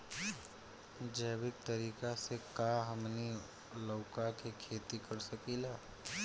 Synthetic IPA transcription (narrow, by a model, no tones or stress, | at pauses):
d͡ʒəːbɪk̚t̪əɾiːkasekaɦəmni | lɔːkakekʰeːt̪ikəɾsəkilaː